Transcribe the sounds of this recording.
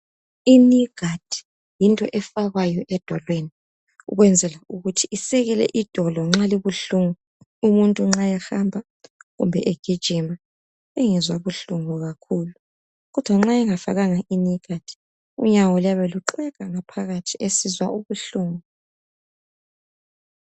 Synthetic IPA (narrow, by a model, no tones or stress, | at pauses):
iniɡ̥ʱad̥ʱi̥ | jintʼɔ̰ʔɛfaɣajɔʔɛd̥ʱɔlweni | ṵɣwɛnd͡zʱɛlauɣutʰiisɛɣɛlɛ̰ʔid̥ʱɔlɔŋ͡ǁaliβuɬuŋu | umuntʼuŋ͡ǁajaxambʱa | ɣṵmbʱɛ̰ʔeɡ̥ʱid̥ʒ̥ʱima | eŋizwaβuɬuŋuɣakʰuːlu | ɣɔd̥ʱwaŋ͡ǁaɛŋafa̰ɣaŋaʔiniɡ̥ʱad̥ʱi̥ | ṵɲawɔljaβɛluǃɛɣaŋapʰaɣatʰiesizwaʔuβuɬuːŋu